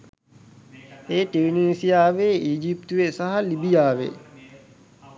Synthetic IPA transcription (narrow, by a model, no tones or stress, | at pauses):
eːʈiɾniːsijaːʋeiːd͡ʒip̚t̪uʋesaɦɐlibijaːʋḛ